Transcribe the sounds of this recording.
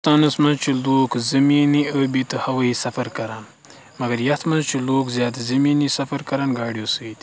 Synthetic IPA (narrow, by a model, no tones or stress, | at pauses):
t̪aːnəsmɐzt͡ʃilokzɐminiəbit̪əhawəisafaɾkaɾan | maɡɐɾjat̪ʰmazt͡ʃilokzjɑːt̪azɐminisafaɾkaɾanɡɑːɽijosəwit̪i